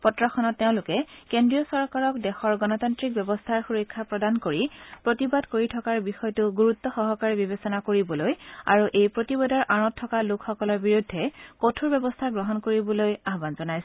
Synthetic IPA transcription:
pɔtɹɔxɔnɔtːeʊ̃lʊkɛkendɹijɔsɔɹkaɹɔkdɛxɔɹɡɔnɔtantɹik̚bjɛbɔstʰaɹxuɹɔkʰːapɹɔdankoɹipɹotibadkoɹitʰɔkaɹbixɔjɔtʊɡuɹut̪ːɔxɔɦɔkaɹibibesɔnakoɹibɔloja̰ɹuʔejpɹotibɔdɔɹʔaɹɔtʰːɔkalʊkxɔkɔlɔɹbiɹudʱːɛkotʰuɹbɛbɔstʰaɡɹɔɦɔnkoɹibɔlojaɦbanzɔnajs

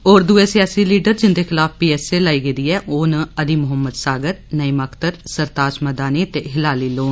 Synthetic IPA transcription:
oːɾd̪ueːsɪjaːsiːliːɖəɾd͡ʒɪnd̪eːkʰɪlaːfpiːɛːseːlaːiːɡed̪iːɛːʔoːnəd̪iːmʊɦəmːəd̪saːɡəɾnəiːməkt̪əɾsəɾt̪aːʃməd̪aːniːt̪eːɦɪlaːliːloːn

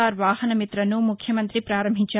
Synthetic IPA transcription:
aːɾʋaːhɐnɐmit̪ɾɐnːumukʰjɐmɐnt̪ɾipɾaːɾɐmbʱit͡ʃɐ

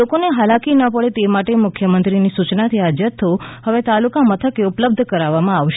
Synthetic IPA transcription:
okoneɦalakinəpəɭet̪emaʈemʊkʰjəmənt̪ɾinisut͡ʃnat̪ʰiad͡ʒət̪ʰːohəʋet̪alukamət̪ʰəkeʊpləb̚d̪ʱkəɾaʋːamãaʋʃe

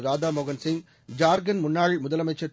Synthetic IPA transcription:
ɾaːdaːmɔɣɐnsɪŋɡ | d͡ʒaːɾɡɐnmʊnːaːɻmʊðɐlɐmɐɪt͡ʃːɐ

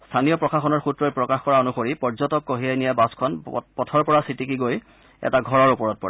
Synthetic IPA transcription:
stʰanijɔpɹɔkʰaxɔnɔɹxutɹɔjpɹɔkaxkɔɹaonuxoɹipɔɹzɔtɔkːoɦijajnijɛbaskʰɔnpɔtʰɔɹpɔɹasitikiɡoj | ɛ̰taɡʱɔɹɔɹupɔɹɔt̚pɔ̰ɹɛ

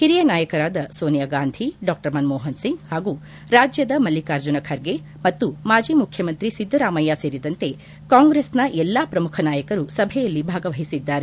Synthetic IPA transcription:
hiɾijɐnaːjɐkɐɾaːd̪ɐsoːnijaɡaːnd̪ʱiɖaːk̚ʈɐɾmɐnmoːɦɐnsiŋɡhaːɡu | ɾaːd͡ʒjɐd̪ɐmɐlːikaːɾd͡ʒunɐkʰɐɾɡe | mɐt̪ːumaːd͡ʒiːmukʰjɐmɐnt̪ɾisid̪ʱːɐɾaːmɐjːase̞ːɾid̪ɐnt̪e | kaːŋɡɾesnɐʔɛlːaːpɾɐmukʰɐnaːjɐkɐɾusɐbʱɛjɐlːibʱaːɡɐʋɐɦisid̪ːaːɾe

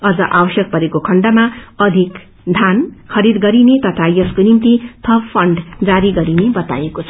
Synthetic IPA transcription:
ʌd͡zʌʔabʌsjʌk̚pʌɾekokʰʌɳɖamaʌd̪ʱik | d̪ʱankʰʌɾid̪ɡʌɾinet̪ʌt̪ʰajʌskonimt̪it̪ʰʌbpʰʌɳɖd͡zaɾiɡʌɾinebʌt̪a̰jekot͡sʰʌ

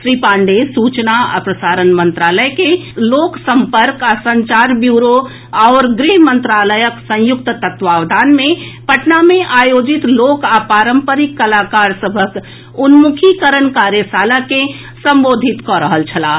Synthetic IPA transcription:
ʃɾipãːɳɖesut͡ʃnaə̰pɾəsaːɾənmə̃nt̪ɾaːləjkeloːksə̃mpəɾkasə̃ɲt͡ʃaɾbjuːɾo | ɔːɾɡɾiɦmənt̪ɾaləjəksə̃jʊk̚t̪t̪ət̪ʋaːʋd̪ʱaːnmẽpəʈnamẽʔaːjoːd͡ʒit̪loːkapaːɾəmpəɾikːəlakaːɾsəbʱək | unmukʰikəɾənkaɾjəsaːlake | sə̃mboːd̪ʱit̪kɔɾəɦəlt͡ʃʰəlaː

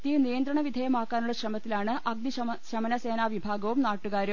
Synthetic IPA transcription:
t̪ijɐnijɐnd̪ɾɐɳɐʋid̪ʱɐjɐmaːkːaːnuɭːɐɕrɐmɐt̪ːilaːɳɨʔɐɡ̚d̪i | ɕɐmɐnɐseːnaːʋibʱaːɡɐʋumnaːʈːuɣaːɾum

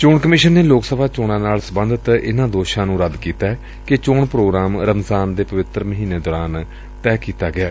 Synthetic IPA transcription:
t͡ʃoːɳkəmɪʃənːeːloːksəbʱaːt͡ʃoːɳãːnaːlsəbənd̪ʱət̪ɪnãːd̪oːʃãːnũːɾəd̪kiːt̪aːɛː | kɪt͡ʃoːɳpɾoːɡɾaːmɾəmzaːnd̪eːpəʋɪt̪ɾməɦiːneːd̪ɔːɾaːn | t̪ɛːkiːt̪aːɡɪaː

